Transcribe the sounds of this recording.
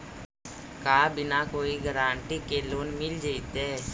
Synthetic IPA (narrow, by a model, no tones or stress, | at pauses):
kaːbɪnakoːiɡəɾaːɳʈikeloːnmɪld͡ʒait̪eː